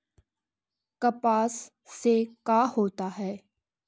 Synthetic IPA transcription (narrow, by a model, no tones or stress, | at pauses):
kɐpaːsː | ekaːhoːt̪aɦɛː